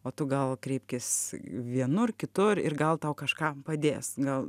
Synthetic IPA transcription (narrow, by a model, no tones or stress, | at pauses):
oːt̪ʊɡɐlˠkɾʲɛɪpʲkʲɪsʋʲiɛnʊrkʲɪt̪ʊrɪ̰rɡɐlˠt̪ɐʊkɐʃkɑːpɐd̪ʲeːsɡɐlˠ